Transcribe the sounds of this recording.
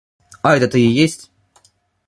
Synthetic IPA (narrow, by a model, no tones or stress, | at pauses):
aɛt̪ət̪ɨɪjesʲtʲ